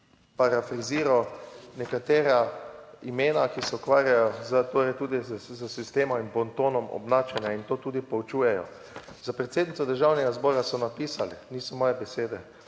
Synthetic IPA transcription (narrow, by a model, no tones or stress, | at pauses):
paɾafɾiziːɾɔnɛkat̪eːɾaimeːnakisɛukʋaːɾjajɔzət̪oːɾɛjt̪uːd̪izəsist̪eːmɔminbɔnt̪oːnɔmɔ̰bnaːt͡ʃɛnjaint̪oːt̪uːd̪ipowt͡ʃuːjɛjɔ̰ | zapɾɛt̪seːd̪nit̪sɔd̪əɾʒawnɛɡazbɔːɾasɔnapiːsaliniːsɔmɔːjɛbɛseːd̪ɛ